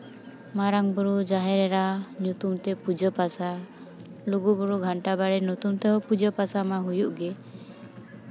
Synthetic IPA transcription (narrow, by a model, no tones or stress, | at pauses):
maɾaŋbuɾud͡ʒaɦɛɾɛɾaɲut̪umt̪ɛpud͡ʒɔpasa | luɡubɔɾuɡʱaɳʈabaɽɛnut̪umt̪ɛɦɔpud͡ʒɔpasamaɦujuʔɡɛ